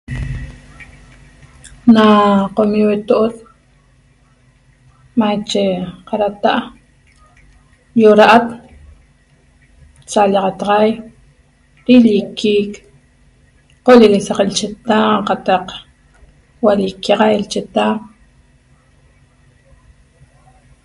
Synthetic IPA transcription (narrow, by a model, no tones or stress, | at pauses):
naqomiwet̪oʔot̪ | mat͡ʃeqaɾat̪aʔ | joɾaʔat̪ | t͡salaqat̪qaj | ɾilikiːk | qolilisaqilt͡ʃet̪aːqat̪aq | walikiqailt͡ʃet̪aː